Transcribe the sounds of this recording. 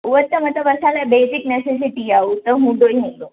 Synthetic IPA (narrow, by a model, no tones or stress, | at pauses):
ʋəɾt̪ːəmət̪əʋəsalabesikneses̬iʈiaut̪əɦũɳd̪ojɦũɳɖ̪o